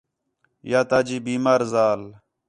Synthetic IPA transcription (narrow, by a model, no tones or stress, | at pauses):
jaːt̪aːd͡ʒiːbiːmaːɾzaːl